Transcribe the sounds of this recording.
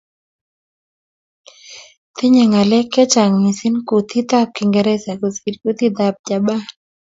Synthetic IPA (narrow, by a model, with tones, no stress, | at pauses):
t̪ɪ˦ɲɛ˨ŋa˨lɛ˦kːɛ˦t͡ʃa˨ŋmi˨sɪ˦nku˨t̪i˦d̪a˦p̚kɪ˨ŋɡɛ˨ɾɛ˦sɛ˨ko˨si˨dku˦t̪i˦d̪a˨p̚d͡ʒa˨ba˦